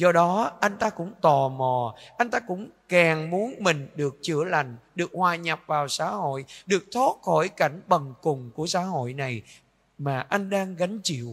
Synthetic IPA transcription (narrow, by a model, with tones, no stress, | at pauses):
zɔ˧ɗɔ˨˦ʔa˧jŋ̟t̪aː˧kʊ̰˧˥ŋ͡mt̪ɔ˨˩mɔ˨˩ʔa˧jŋ̟t̪aː˧kʊ̰˧˥ŋ͡mkaː˨˩ŋmu˨˦ənmï˨˩ŋ̟ɗɨ˨˩ək̚t͡ɕɨ̰˧˩əla˨˩jŋ̟ɗɨ˨˩ək̚hwaː˨˩ɲa˨˩p̚vaː˨˩wsa̰ː˧˥ho̰˧˨jɗɨ˨˩ək̚t̪ʰo˦˥t̚xɔ˧˩jka˧˩jŋ̟ɓə˨˩ŋkʊ˨˩ŋ͡mku˧˩əsa̰ː˧˥ho̰˧˨jna˨˩j | maː˨˩ʔa˧jŋ̟ɗaː˧ŋɣa˨˦ŋ̟t͡ɕḭ˧˨əw